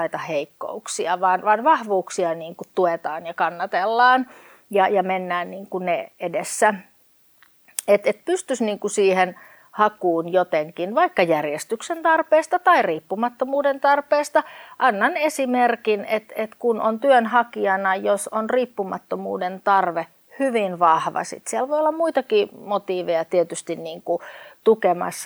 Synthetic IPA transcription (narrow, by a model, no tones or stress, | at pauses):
it̪ɑheikːo̰uksiɑʋɑːnʋɑnʋɑhʋuːksiɑniːŋkutt̪uet̪ɑːnjɑkɑnːɑt̪elːɑːn | jɑjɑmenːæːnniːŋkuneedesːæ | et̪et̪̚pyst̪ysniːŋkusiːhen | hɑkuːnjot̪eŋkinʋɑikːɑjærjest̪yksent̪ɑrpeːst̪ɑt̪ɑiriːpːumɑt̪ːomuːdent̪ɑrpeːst̪ɑʔɑnːɑnesimerkinet̪et̪kunont̪yønhɑkiɑnɑjosonriːpːumɑt̪ːomṵːdent̪ɑrʋe | hyʋinʋɑhʋɑ̰sḭt̪sielʋojolːɑmmuit̪ɑkiːmot̪iːʋejɑt̪iet̪yst̪inniːŋkut̪ukemɑ̰s